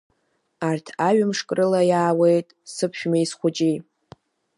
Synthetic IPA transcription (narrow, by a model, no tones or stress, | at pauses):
artʰaɥɨmʂkʼrɨlajaːwe̞jtʼsɨpʰʃᶣmaisχʷʊd͡ʒʼi